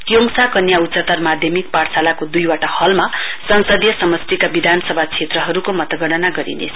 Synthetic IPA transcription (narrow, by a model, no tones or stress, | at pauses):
kjoŋsakʌnjautt͡sʌt̪ʌrmad̪ʱjʌmik̚paɽsalakod̪ujwaʈahʌlmasʌnsʌd̪jʌsʌmʌst̪ikabid̪ʱanʌsʌbʱat͡sʰet̪rʌɦʌɾukomʌt̪ʌɡʌɽʌnaɡʌɾḭnḛsʰ